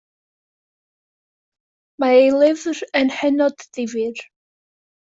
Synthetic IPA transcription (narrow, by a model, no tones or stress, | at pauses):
maejlˠɪvrənhɛnɔdðɪvɪr